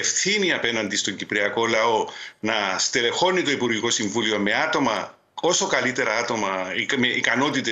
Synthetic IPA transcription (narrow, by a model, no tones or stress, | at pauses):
efθiniɐpe̞nɐnd̪ist̪o̞ɲɟipɾiɐko̞lɐo̞nɐst̪ele̞xo̞nːit̪o̞ipuɾʝiko̞siɱvulio̞me̞ɐt̪o̞mɐ | o̞so̞kɐlit̪e̞ɾɐɐt̪o̞mɐimeʔikɐno̞t̪it̪e